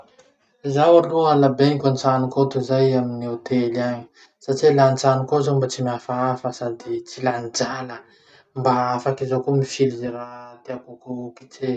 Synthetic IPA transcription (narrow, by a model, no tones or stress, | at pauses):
zawalualabenikʲant͡sanukot̪uzajaminiot̪elaɲi̥ | saʈ͡ʂilant͡sanukozombat͡simiafaafəsad̪it͡siland͡zalə | mbaafakizokomifilzeɾat̪eakukuuki̥t͡se